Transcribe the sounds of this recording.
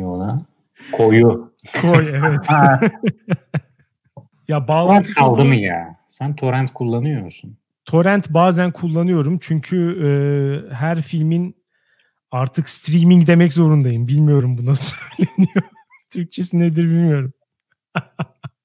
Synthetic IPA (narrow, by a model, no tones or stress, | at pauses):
olˠa | kʰoju | kʰojevɛt̪ | jabaːakʰalˠd̪ɯmɯja̰ːsænt̪ʰo̞ɾænt̪kʰulˠːanɯjo̞ɾsun | t̪ʰo̞ɾænt̪baːzænkʰulˠːanɯjo̞ɾumt͡ʃʰyɲcʰyɯːɦæɾfilʲmin | aɾt̪ʰɯkst̪ɾimiŋɟd̪e̞mɛczo̞ɾund̪ajɯmbilʲmijo̞ɾumbunasøjlʲenijo | t̪ʰyɾc̚t͡ʃʰe̞sined̪iɾbilʲmijo̞ɾum